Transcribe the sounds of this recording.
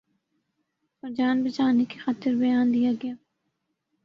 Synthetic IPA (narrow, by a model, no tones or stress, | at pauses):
pɐɾd͡ʒaːnbɐt͡ʃaːnekixaːt̪ɪɾbɐjaːnd̪ijaɡɐjaː